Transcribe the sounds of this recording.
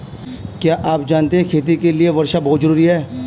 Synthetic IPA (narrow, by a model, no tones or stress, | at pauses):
kjaːʔaːpd͡ʒaːnt̪eɦɛ̃kʰeːt̪̬ikelieʋɐɾʃabɔɦʊt̪zəɾuːɾiɦɛː